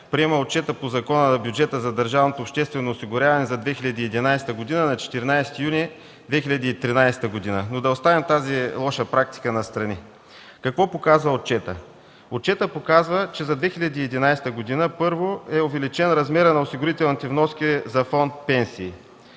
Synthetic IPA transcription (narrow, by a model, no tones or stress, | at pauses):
pɾiɛmɐot̪̚t͡ʃɛt̪əpozɐkɔnənɐbjud͡ʒɛt̪əzɐd̪ɐɾʒavnot̪oːpʃt̪ɛst̪vɛnoːsiɡʊɾʲavɐnɛzɐd̪vɛxilʲɐd̪iːɛd̪inajst̪əɡod̪inənɐt͡ʃɛ̥t̪iɾnajsɛ̥t̪ijuni | d̪vɛxilʲɐd̪iːt̪ɾinajst̪əɡod̪inənod̪ɐost̪avɛmt̪azilˠɔʃəpɾak̚t̪i̥kənɐst̪ɾɐni | kɐkvɔpokazvɐot̪̚t͡ʃɛt̪ə̰ | ot̚t͡ʃɛt̪əpokazvət͡ʃɛzɐd̪vɛxilʲɐd̪iːɛd̪inajst̪əɡod̪inəpɤɾvoɛovɛlit͡ʃɛnɾɐzmɛɾənɐosiɡʊɾit̪ɛlˠnit̪ɛvnɔskʲizɐfɔnt̪̚pɛnsiː